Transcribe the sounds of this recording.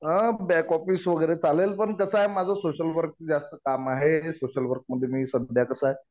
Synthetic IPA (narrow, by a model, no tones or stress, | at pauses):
əbɛkɔfiːsʋəɡəjɾet͡salelpəɳkəsaɦemad͡zʱasoɕəlʋəɾk̚t͡ɕed͡zast̪əkamaɦesoɕəlʋəɾk̚məd̪ʱːjemiːsəd̪d̪ʱjakəsaɦe